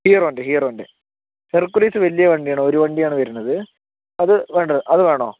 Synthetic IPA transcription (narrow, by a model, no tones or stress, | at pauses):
hijɐroːndeɦijɐroːnde | herkːuliːsɨʋɐlijɐʋɐɳɖijaːɳɨoɾuʋɐɳɖijaːɳɨʋɐɾunːɐðɨ | ɐðɨʋe̞ːɳɖɐʔɐðɨʋe̞ːɳoː